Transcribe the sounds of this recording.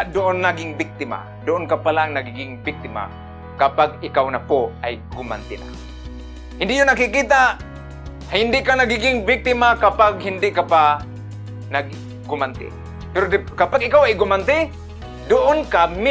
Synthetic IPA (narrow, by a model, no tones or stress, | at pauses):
d̪ʊʔonːaɡɪŋbɪk̚t̪ɪma̰ | d̪ʊʔʊnkapalaŋnaɡiɡɪŋbɪk̚t̪ɪma̰ | kapaɡ̚ɪkawnapoajɡʊma̰nt̪ɪna̰ | hɪnd̪ɪʔjʊnːakɪkiːt̪a | hɪnd̪ɪʔkanaɡiɡɪŋbɪk̚t̪ɪmakapaɡhɪnd̪ɪʔkapa | naɡ | ɡʊmant̪ɪ̰ | pɛɾod̪ɪkapaɡʔɪkawajɡʊmant̪ɪ | d̪ʊʔonkamɪ